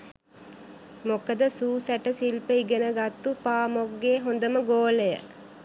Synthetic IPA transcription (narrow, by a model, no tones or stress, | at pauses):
mokəd̪əsuːsæʈəsilpəiɡənəɡat̪ːupaːmoɡːeːɦond̪əməɡoːləjə̰